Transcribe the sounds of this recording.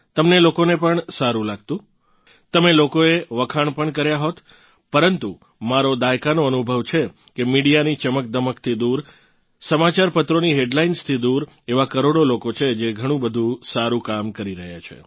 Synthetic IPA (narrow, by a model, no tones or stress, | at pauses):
t̪əmnelokonepəɳsaɾũlaɡ̚t̪ũ | t̪əmelokoeʋəkʰaɳpəɳkəɾjaɦot̪ | pəɾənt̪u | maɾod̪akanoənubʱəʋt͡ʃʰe | kemiɽijanit͡ʃəmək̚d̪əməkt̪ʰid̪uɾ | səmat͡ʃaɾpət̪ɾoniɦeɖlainst̪ʰid̪uɾ | eʋakəɾoɽolokot͡ʃʰed͡ʒeɡʱəɽ̃ũbəd̪ʱũsaɾũkamkəɾiɾəɦja̰t͡ʃʰḛ